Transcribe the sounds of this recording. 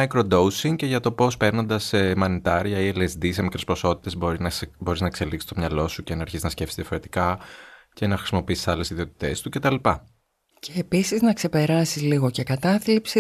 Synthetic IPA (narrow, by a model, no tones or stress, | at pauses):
ɐjkɾo̞d̪o̞usiŋce̞ʝɐt̪o̞po̞spe̞ɾno̞nd̪ɐsːemɐnit̪ɐɾiɐielezd̪ise̞mikɾe̞spɾoso̞t̪i̥t̪e̞zboɾinbo̞ɾiznɐekse̞liksi̥st̪o̞mɲɐlo̞suce̞nɐːɾçiznɐsce̞fsizðiɐfo̞ɾe̞t̪i̥kɐce̞nɐxɾi̥simo̞piisi̥sɐle̞siðio̞t̪i̥t̪e̞st̪uce̞t̪ɐlipɐ | cʰeːpisiznɐkse̞pe̞ɾɐsizliɣo̞ce̞kɐt̪ɐθlipsi